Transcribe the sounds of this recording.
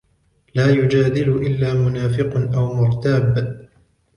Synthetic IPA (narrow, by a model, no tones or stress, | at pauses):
laːjʊd͡ʒaːd̪ɪlʊʔɪlːaːmʊnaːfɪqnʔawmʊɾt̪aːb